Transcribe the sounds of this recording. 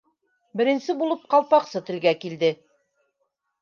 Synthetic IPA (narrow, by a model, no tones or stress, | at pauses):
bɘ̆ɾɘ̆nsɘbulˠɤp̚qɑlˠpɑqsɤt̪ɘ̆lɡækild̪ɘ